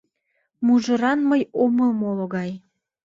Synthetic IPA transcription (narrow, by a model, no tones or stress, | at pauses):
muʒə̆ɾɑnməjoməlmoloɣɑj